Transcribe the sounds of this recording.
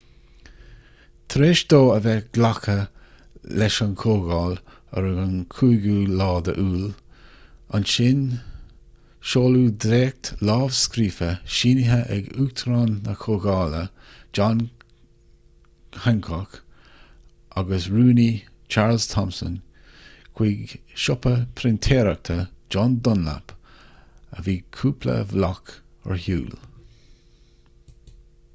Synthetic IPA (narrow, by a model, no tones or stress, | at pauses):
t̪ʰɾeːʃd̪oːəvɛɡ̥lakʰə | lɛʃankʰoːɡɑːl | ə̰ɾəɡankʰuːɡuːlɑːd̪ə̰ʔuːl | anʃɪn | ʃoːluːd̪ɾeːk̚t̪lɑːvskɾiːfəʃiːnɪɦəʔɛ̰ɡuːɡt̪ʰɾanːəkʰoːɡɑːlə | d͡ʒɑn | hɛŋkʰɔk | ʔaɡəsɹuːni | t͡ʃʰaːɹlz̥t̪ʰɔmsə̰n | kʰw̥iɡʃʊpəpʰɾɪnt̪ʰeːɾak̚t̪ʰəd͡ʒɔnd̪ʊnla̰p | əviːkʰuːpʰlə̰vlɑk | ə̰ɹhṵːl